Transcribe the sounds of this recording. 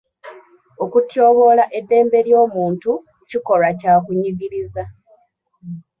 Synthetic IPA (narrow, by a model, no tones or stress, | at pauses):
o̞kutjo̞ːβo̞ːlaʔe̞dːe̞ːmbe̞ljo̞ːmuːntu | ciko̞lacaːkuɲiɡiɾiza